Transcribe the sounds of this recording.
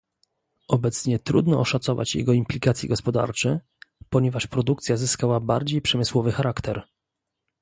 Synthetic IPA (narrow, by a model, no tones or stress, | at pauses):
ɔbɛt̪sɲɛt̪ɾṵd̪nɔɔʂat̪sɔva̰t͡ɕjɛ̰ɡɔimplʲikat̪sʲjɛ̰ɡɔspɔd̪a̰ɾt͡ʂɛ | pɔɲɛvaʂpɾɔd̪uk̚t̪sʲjazɘskawabaɾd͡ʑejpʂɛmɘswɔvɘxaɾakt̪ɛɾ